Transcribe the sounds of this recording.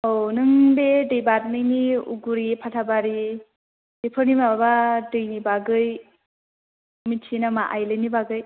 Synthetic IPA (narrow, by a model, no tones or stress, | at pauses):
ownɯŋbedɯjbat̚nɯjniṵɡuɾipʰatʰabaɾi | d̥epʰɯnimabadɯjnibaɡɯj | mitʰinamaʔajlɯjnibaɡɯj